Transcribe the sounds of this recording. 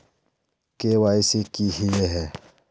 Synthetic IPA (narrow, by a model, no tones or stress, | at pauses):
kewaisikihijɛɦɛ